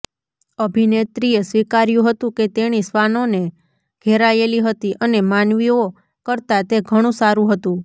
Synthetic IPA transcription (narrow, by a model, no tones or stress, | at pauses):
əbʱinet̪ɾiesʋikaɾjũɦət̪ũket̪eɽ̃isʋanone | ɡ̥ʱeɾajeliɦət̪iʔənemanʋio | kəɾt̪at̪eɡʱəɽ̃ũsaɾũɦət̪ũ